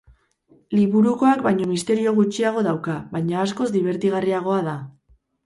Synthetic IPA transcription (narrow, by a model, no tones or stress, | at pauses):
liβuɾuko̞akbajɲo̞mist̪e̞ɾio̞ɣ̞ut͡ʃiaɣ̞o̞ðawkaβajɲaːsko̞zd̪iβ̞e̞ɾt̪iɣ̞ariaɣ̞o̞aða